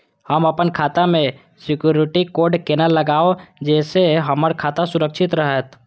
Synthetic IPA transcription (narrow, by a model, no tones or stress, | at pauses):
həməpənkʰaːt̪amẽ | sɪkjuːɾɪʈikoːɾɖkenalːəɡaːod͡ʒɛːseɦəməɾkʰaːt̪asʊɾəkʃʰɪt̪ɾəɦət̪